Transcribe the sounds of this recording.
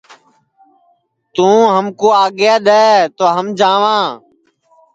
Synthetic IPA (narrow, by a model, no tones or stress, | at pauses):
t̪ũːɦəmkoːaːɡɪjaːɗ̪ɛːt̪oːɦəmd͡ʒãːʋãː